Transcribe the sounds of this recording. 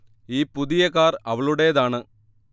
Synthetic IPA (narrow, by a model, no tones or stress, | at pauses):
iːpuðɪjɐkaːɾɐʋɐɭuɽeːðaːɳɨ